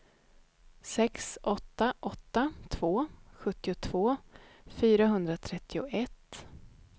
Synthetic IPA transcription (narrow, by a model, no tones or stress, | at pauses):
sɛksʔɔt̪ːaʔɔt̪ːat̪ʰv̥oːɧɵt̪ːɪʊt̪ʰv̥oːfyːɾaɦɵnd̪ɾat̪ʰɾɛt̪ʰːɪʊʔɛt̪ː